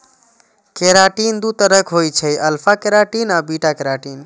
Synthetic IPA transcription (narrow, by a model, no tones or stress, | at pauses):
keɾaʈind̪ut̪əɾəkɦojt͡ʃʰəjəlpʰakeɾaʈinabiʈakeɾaʈin